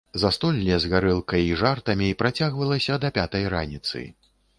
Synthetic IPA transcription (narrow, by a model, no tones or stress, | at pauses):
zɐst̪ɔlʲːɛzɣaɾɨlˠkɐjiʐart̪ɐmʲipɾat͡sʲaɣvɐlˠɐsʲɐd̪ɐpʲat̪ɐjɾa̰nʲit̪sɨ̰